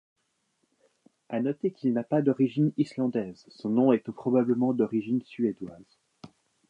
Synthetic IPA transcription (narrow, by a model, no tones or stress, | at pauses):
anɔt̪ekilnapad̪ɔʁiʒinislɑ̃d̪ɛz | sɔ̃nɔ̃ɛt̪upχɔbabləmɑ̃d̪ɔʁiʒinsyed̪waːz̥